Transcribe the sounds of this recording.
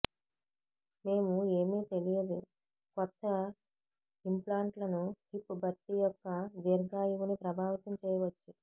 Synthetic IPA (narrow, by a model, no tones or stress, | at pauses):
me̞ːmue̞ːmiːt̪e̞lijɐd̪u | kɔt̪ʰːɐ | implaːɳʈlɐnuhipːbʱɐɾt̪ijɔkːɐd̪eːɾɡaːjuʋunipɾɐbʱaːʋɐt̪ɐmt͡ʃɛːjɐʋɐt͡ʃːu